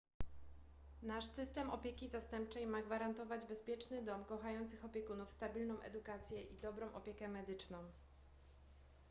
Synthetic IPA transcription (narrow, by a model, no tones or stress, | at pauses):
naʂsɘst̪ɛmɔpʲjɛkʲizast̪ɛmp̚t͡ʂɛjmaɡvaɾant̪ɔvad͡ʑbɛspʲjɛt͡ʂnɘd̪ɔmkɔxajɔnt̪sɘxɔpʲjɛkunufst̪abʲilnɔ̃w̃ʔɛ̰d̪ukat̪sʲjɛʔid̪ɔbɾɔ̃w̃ʔɔpʲjɛkɛmɛd̪ɘt͡ʂnɔ̃w̃